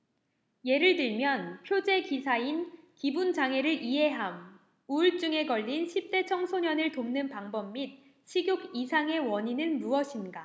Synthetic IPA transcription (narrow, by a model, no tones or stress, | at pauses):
je̞ɾɯɭtɯɭmjʌnpʰjod͡ʑe̞kisʰainkibund͡ʑaŋɦe̞ɾɯɾʔiɦe̞ɦam | uɭt͡ɕ͈uŋe̞ɡʌʎːinɕʰip̚t͈e̞t͡ɕʰʌŋsʰoɲʌnɯɭtomnɯnpaŋbʌmːit̚ | ɕʰiɡjoɡisʰaŋe̞wʌɲinɯnmuʌɕʰinɡa